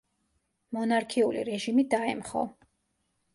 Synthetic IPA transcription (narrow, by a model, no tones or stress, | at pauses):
mɔnaɾkʰiulḭɾɛʒimid̪aɛ̰mχɔ̰